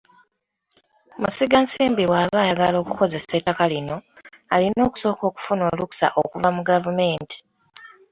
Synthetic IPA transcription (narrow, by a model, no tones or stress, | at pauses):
musiɡansiːmbiwaːβaːjaɡalo̞ːkuko̞ze̞setːakalino̞ | alino̞ːku̥so̞ːko̞ːku̥funo̞ːluku̥sa̰ʔo̰kuvamuɡavume̞ːnti̥